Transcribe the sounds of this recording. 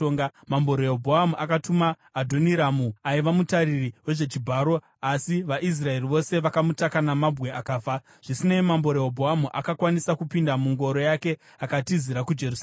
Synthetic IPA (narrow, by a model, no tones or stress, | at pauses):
oŋɡamambo̞ɾoobʱoɦamuʔakatumaː | dʱo̞niɾamuaiʋamutaɾiriwe̞ʐe̞t͡ʃibʱaːɾo̞ | asiʋaʔis̬rae̞riʋo̞se̞ʋakamutakanamabwe̞akaːfa | ʐ̥isinemambo̞ɾojobʱoɦamuʔakakwanisakupindamuŋɡo̞ɾo̞jake̞ | akatiziɾakud͡ʒerus